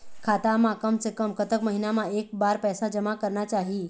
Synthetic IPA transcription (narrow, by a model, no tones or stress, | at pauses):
kʰaːt̪amãkəmsekəmkət̪əkməɦinamãeːk̚baːɾpɛːsad͡ʒəmakəɾnat͡ʃaːɦi